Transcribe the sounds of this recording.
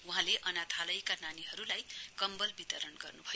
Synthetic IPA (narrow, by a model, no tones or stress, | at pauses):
uɦãleʔʌnat̪ʰalʌjkananiɦʌɾulajkʌmbʌlbit̪ʌɾʌnɡʌrnubʱʌj